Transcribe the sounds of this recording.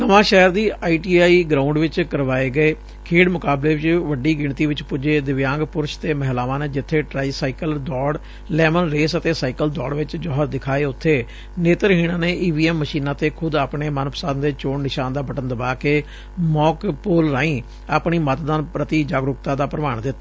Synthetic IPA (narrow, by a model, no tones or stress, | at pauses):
nəʋãːʃɛːəɾd̪iːaːiːʈiːaːiːɡɾãːʊ̃ɳɖʋɪt͡ʃkəɾʋaːeːɡəeː | kʰiːɖmʊkaːbleːʋɪt͡ʃʋəɖiːɡɪɳt̪iːʋɪt͡ʃpʊd͡ʒeːd̪ɪʋjãːŋɡpʊɾʃt̪eːməɦlaːʋãːneːd͡ʒɪt̪ʰːeːʈɾaːisaːikəld̪ɔːɽ | lɛːmənɾeːsət̪eːsaːikəld̪ɔːɽʋɪt͡ʃd͡ʒɔːɦəɾd̪ɪkʰaːeːʊt̪ʰːeː | neːt̪əɾɦiːɽãːneːʔiːʋiːɛːmːəʃiːnãːt̪eːkʰʊd̪aːpɳeːmənpə̥saːnd̪eːt͡ʃoːɽnɪʃaːnd̪aːbəʈənd̪əbaːkeː | mɔːkpoːlɾaːĩː | aːpɳiːmət̪d̪aːnpɾət̪iːd͡ʒaːɡɾʊkt̪aːd̪aːpɾəʋaːɳd̪ɪt̪ːaː